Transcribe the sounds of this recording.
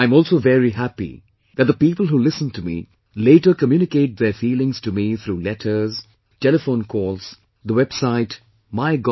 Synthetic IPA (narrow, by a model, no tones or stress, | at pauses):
aɪ̃mɔːlˠsoʊvɛɹiɦæpḭ | ðæt̚ðəpiːpəl̩ˠɦulɪsə̃ntʰumḭ | leɪʈə˞kəmjʉnɪkeɪt̚ðɛɹfiːlɪ̃ŋz̥tumiθʰɾuːlɛtʰə˞z̥ | tɛləfõʊ̃nkʰɔlˠs | ðəwɛb̥saɪt | maɪɡ